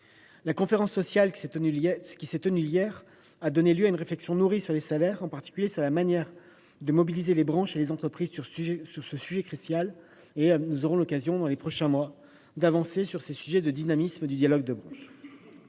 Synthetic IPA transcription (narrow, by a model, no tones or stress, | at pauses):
lakɔ̃feʁɑ̃sːɔsjal | kʲisɛt̪ənyijɛʁ | ad̪ɔneljøaynʁeflɛksjɔ̃nuʁisyʁlesalɛʁɑ̃paʁt̪i̥kʲyljesyʁlamanjɛʁ | d̪əmɔbilizelebʁɑ̃ʃelezɑ̃t̪χəpχizsʁsyʁsəsyʒɛkχysjal | enuzɔʁɔ̃lɔkazjɔ̃d̪ɑ̃lepχɔʃɛ̃mwa | d̪avɑ̃sesyʁsesyʒɛd̪əd̪inamisməd̪yd̪jalɔɡ̚d̪əbʁɑ̃ʃ